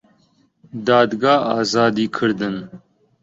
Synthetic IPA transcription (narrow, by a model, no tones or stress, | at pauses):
d̪aːd̪ɡaːaːzaːd̪iːkʰɨɾd̪ɨn